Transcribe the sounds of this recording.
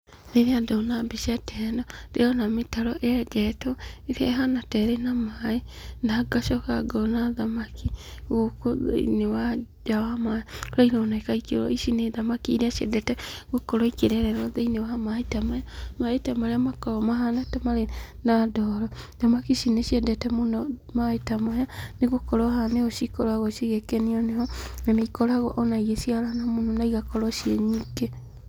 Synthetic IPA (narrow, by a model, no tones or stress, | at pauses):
neɾeadɔnabiʃiatʰɛnɔd̥eɔnametaɾɔʔeɛd͡ʒɛtɔeɾaɦanatɛɾenamaenaɡaʃɔkaɡɔnaðamakʰiwokoðḛḭnewa | d͡ʒawamaoɾaiɾaonaekaikḛɾɔ̰iʃineðamakiɾeaʃɛ̰dɛtɛɣokɔɾɔikeɾɛɾɛɾɔðeinewamaetamajamaetamaɾeamakɔɾɔmaɦanatɛmaɾenadɔɾɔdamakiʃineʃiɛdɛtɛmonɔmaetamajaneɣokɔɾɔhaneɔʃikɔɾwaɣɔʃiɣekɛniɔneɔnanaikɔɾaɣɔʔɔnaiɣesiaɾanamononaiɣakɔɾɔʃjiɛɲike